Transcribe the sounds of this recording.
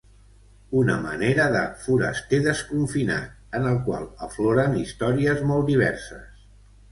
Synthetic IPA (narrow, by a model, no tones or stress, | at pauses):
unə̰mə̰neɾəðə̰fuɾə̰st̪eðəskuɱfina̰t̪̚ənəlˠkwa̰lˠə̰floɾənist̪ɔɾiəzmɔlˠt̪d̪iβ̞ɛ̰rsəs